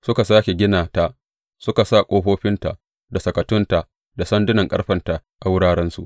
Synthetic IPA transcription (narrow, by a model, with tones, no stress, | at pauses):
sʊ˦ka˨saː˦kʲe˨ɡʲɪ˦naː˨ta˦ʔ | sʊ˦ka˨sa˦˨kʷʼoː˦ɸoː˦ɸɪ˦nta̰˨ʔ | da˨sɐ˨kɐ˨tʊ˦nta˨ | da˨sɐ˦ndʊ˦nɐ˨ŋkʼɐ˦ɸɐ˨nta˨ʔa˨wʊ˦ɽaː˦ɽɛ˦nsṵ˨ʔ